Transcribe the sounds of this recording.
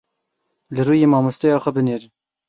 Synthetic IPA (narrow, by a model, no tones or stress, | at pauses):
lɨɾuːjeːmɑːmɨst̪ɛjɑːxʷɛbɨneːɾ